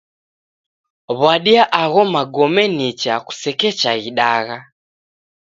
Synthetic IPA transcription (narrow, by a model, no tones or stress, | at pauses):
βwaɗiaʔaɣɔmaɡɔmɛnit͡ʃaku̥sɛkɛt͡ʃaɣiɗaɣa